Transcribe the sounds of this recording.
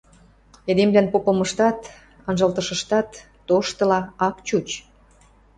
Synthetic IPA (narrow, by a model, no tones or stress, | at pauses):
ed̪emblænpopəmə̆ʃt̪ɑt̪ | ə̆nʒɤ̆lt̪əʃə̆ʃt̪ɑt̪ː | oʃt̪ə̆lɑɑkt͡ɕut͡ɕ